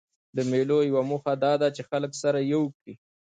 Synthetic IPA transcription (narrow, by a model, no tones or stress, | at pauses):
d̪əmelojawamuxad̪ɑd̪at͡ʃexaləksaɾajawkɽi